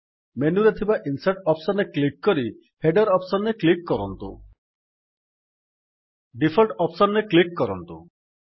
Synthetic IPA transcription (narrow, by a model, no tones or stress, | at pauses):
menuɾet̪ʰibaʔinsaʈɔpsɔnːeklikːɔɾi | heɖɔɾɔpsɔnːeklikːɔɾɔnt̪ṵ | ɖipʰɔlʈɔpsɔnːeklikːɔɾɔnt̪u